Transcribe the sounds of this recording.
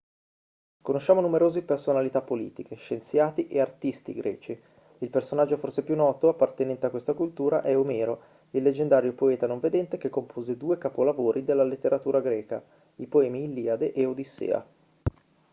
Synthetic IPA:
konoʃːaːmonumeɾoːzipersonalit̪apːolḭːt̪ikeʃent̪sjaːt̪iʔeart̪ist̪ḭɡɾʔɛ̰ːt͡ʃi | ilpersonad͡ʒːoforsepjunːɔːt̪oapːart̪enɛnt̪eakwest̪akult̪uːɾa̰ʔɛomɛːɾo | ilːed͡ʒend̪aːɾjopoɛːt̪anoɱved̪ɛnt̪ek̟ekːompʰoːzed̪uːekapolavoːɾʔid̪elːalet̪ːeɾat̪uːɾaɡɾɛːka̰ | ipoɛːmiːnlːiad̪eʔeod̪isḛːa̰

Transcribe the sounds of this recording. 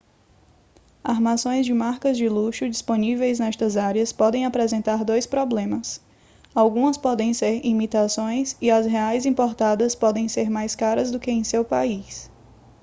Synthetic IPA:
aɾmasõj̃zd͡ʒɪmaɾkɐzd͡ʒɪluʃʊd͡ʒisponivejznɛst̪ɐzaɾiɐspɔd̪ẽj̃apɾɛzẽnt̪aɾd̪ojspɾɔblẽmɐs | awɡũɐspɔd̪ẽj̃seɾimit̪asõj̃siɐzɦeajzĩpoɾt̪ad̪ɐspɔd̪ẽj̃seɾmajskaɾɐzd̪ʊkɪẽj̃sewpais

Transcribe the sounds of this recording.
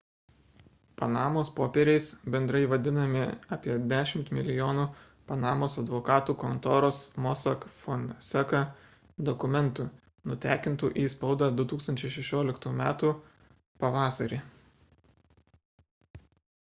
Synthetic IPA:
pɐnɑːmoːspoːpʲɛɾʲɛɪsbʲɛnd̪ɾɐɪʋɐd̪ʲɪnɐmʲɪɑːpʲiɛd̪ʲæːʃʲɪmt̪mʲɪlʲɪjoːnu | pɐnɑːmoːsɐd̪ʋɔkɑːt̪uːkɔnt̪oːɾoːsmɔsɐkfɔnsʲɛkɐ | d̪ɔkʊmʲɛnt̪uː | nʊt̪ʲæːkʲɪnt̪uːʔiːspɒʊd̪ɑd̪ʊt̪uːkst̪ɐnʲt͡ʃʲɛɪʃʲɛʃʲoːlʲɪkt̪uːmʲæːt̪uː | pɐʋɑːsɐɾʲeː

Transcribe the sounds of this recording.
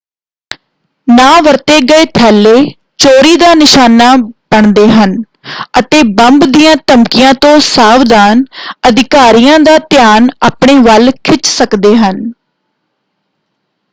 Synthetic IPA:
naːʋəɾt̪eːɡəeːt̪ʰɛːlːeː | t͡ʃoːɾiːd̪aːnɪʃaːnaːb̥əɳd̪eːɦən | ət̪eːbəmbd̪ijãːt̪əmkɪjãːt̪õːsaːʋd̪aːnəd̪ɪkaːɾijãːd̪aːt̪ɪjaːnaːpɳeːʋəlkʰɪt͡ʃsəkd̪eːɦən

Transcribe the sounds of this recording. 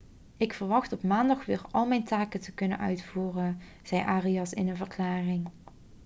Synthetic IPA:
ɪkfəɹʋɑxtɔpmaːndɑχʋɪːɹɑlˠmɛjntaːkətəkɵnə̰nʔœ̰ɥtfuːrən | z̥ɛjʔaːriɑsɪ̰nənvərklaːrɪŋ

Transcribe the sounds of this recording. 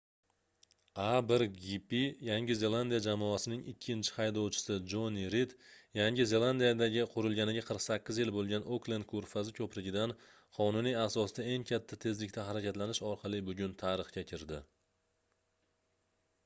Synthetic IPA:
abɪɾɡipijaŋʲɪze̞lˠand̪ijad͡ʒamɒasɪnɪŋɪ̰kʲʰːɪnt͡ʃʰɪ̥hajd̪ɒwt͡ʃʰɪ̥sɪd͡ʒoniɾit̪jaŋʲɪze̞lˠand̪ijad̪aɡʲɪqʰʊɾɪlˠɡʲanɪɡʲaqʰəɾqsakʲːɪzjɪlbolˠɡʲanoklˠend̪̚kʰoɾfazɪkʲʰɵpɾɪɡʲɪd̪an | qʰɒnʊnijasɒsɪd̪ae̞ŋkʲʰat̪ʰːat̪ʰe̞zlɪk̚ʲt̪ʰaɦaɾakʲʰat̪lanɪʃɒɾqʰɑlˠɪbʊɡʲʊnt̪ʰaɾɨχkʲakʲʰɪɾd̪ɪ

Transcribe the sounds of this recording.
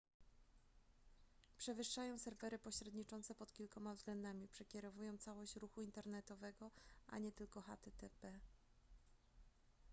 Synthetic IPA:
pʂɛvɘʂːajɔ̃w̃sɛɾvɛɾɘpɔɕɾɛd̪ɲit͡ʂɔnt̪sɛpɔt̪kʲilkɔmavzɡlɛnd̪amʲipʂɛkʲɛɾɔvujɔ̃w̃t̪sawɔɕt͡ɕɾuxuint̪ɛɾnɛt̪ɔvɛɡɔʔa̰ɲɛt̪ɘlkɔxa̰t̪ɛt̪ɛpɛ

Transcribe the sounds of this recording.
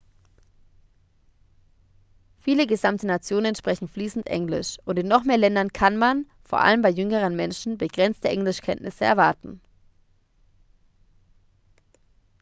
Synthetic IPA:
fiːləɡəzamtʰənat͡sjoːnəənʃpʁ̥ɛçn̩fliːsn̩tʔɛ̰ŋlɪ̰ʃʔʊntɪnːɔχmeːɐlɛndɐnkʰanman | foːɐʔa̰ləmbaɪjʏŋəʁ̞ənmɛnʃn̩bəɡ̥ʁɛnt͡stəʔɛŋlɪʃkʰɛ̰ntnʔɪsəɛ̰ɐvaɐtn̩

